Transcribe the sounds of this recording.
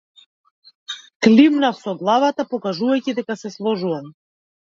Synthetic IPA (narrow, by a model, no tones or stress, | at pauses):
klʲimnafsɔɡlˠavat̪apɔkaʒuvajcid̪ɛkasɛslˠɔʒuvam